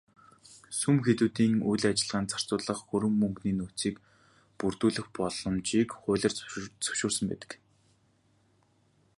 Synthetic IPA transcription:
sumxet̪uːt̪iːŋujɮːat͡ɕɪ̆ɮʁaːnt͡sʰḁr̥t͡sʊːɮə̆χxɵɾɘ̆mːɵŋɡniːnut͡siːk | purt̪uːɮɘ̆xpɔɮɞ̆mt͡ɕiːkχʊːɮʲə̆rt͡sʰɵ̥wʃʊːrsə̆mpæ̰ːt̪ə̆k

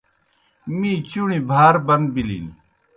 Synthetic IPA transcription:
mĩːt͡ɕuɳibʱaːɾbɐnd̪̚bilḭːni

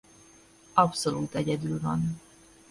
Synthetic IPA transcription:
ɒpso̞luːt̪ɛɟɛd̪ylvɒ̰n

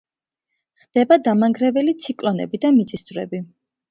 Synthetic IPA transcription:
χd̪̥ɛbad̪amaŋɡɾɛvɛlit̪sʰikʼlɔnɛ̰bid̪amit̪sʼissvɾɛ̰bi

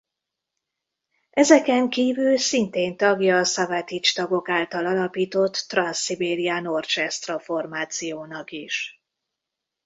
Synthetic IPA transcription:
ɛzɛkɛŋkiːvylsint̪eːnt̪ɒɡjɒːsɒvat̪it͡ʃt̪ɒɡo̞kaːlt̪ɒlɒlɒpiːt̪o̞t̪ːrɒnsːibeːɾijaːno̞rt͡ʃɛst̪rɒfo̞rmaːt̪sijoːnɒkiʃ

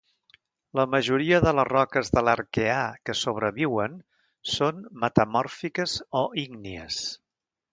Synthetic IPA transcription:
ləməʒuɾiəðələrɔkəzðələɾkeakəsoβ̞ɾəβiwən | sonmət̪əmɔrfikəzɔʔiŋniə̰s

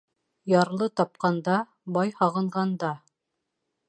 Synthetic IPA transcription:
jɑɾlˠɤt̪ɑp̚qɑnd̪ɑ | bɑjhɑʁɤ̆ɴʁɑnd̪ɑ

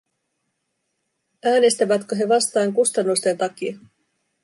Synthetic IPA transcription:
æːne̞st̪æʋæt̪køɦe̞ʋɑst̪ɑːŋkust̪ɑnːust̪e̞nt̪ɑk̟iɑ

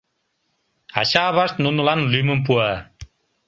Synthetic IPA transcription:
a̰ɕaβast̪nunulanlymump̬ua

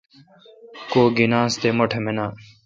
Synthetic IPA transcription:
koːɡinãːst̪eːmɐʈʰemenaː

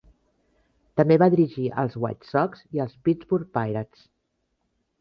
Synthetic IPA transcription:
t̪əmbeβaðiɾiʒiʔə̰lˠzɣwa̰t͡ʃsɔkziəlˠspizbuɾ̚pajɾəs

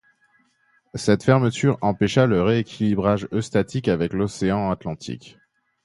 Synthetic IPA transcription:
sɛt̪fɛʁmət̪yʁɑ̃pɛʃaləʁeekʲʰilibʁaʒøst̪at̪ʰikavɛklɔseɑ̃at̪lɑ̃t̪ʰḭk

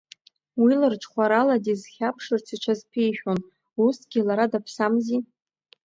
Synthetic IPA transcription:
wilɨrʈ͡ʂʰʼχʷaɾaladizχʲapʰʂɨrt͡sʰiʈ͡ʂʷʰazpʰejʃʲᶣon | usɡʲɪlaɾadapʰsamzi

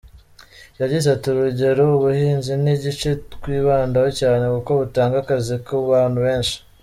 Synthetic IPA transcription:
jaɾɟizatuɾuɟe̞ɾouβuhiːnziniɟit͡ʃekwiːβaːndawocaːne̞kuko̞βutaːŋɡakazikuβaːn̥huβe̞ːnʃi̥

